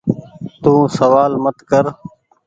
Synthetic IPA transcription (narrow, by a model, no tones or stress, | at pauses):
t̪ũːsəʋaːlmət̪kəɾ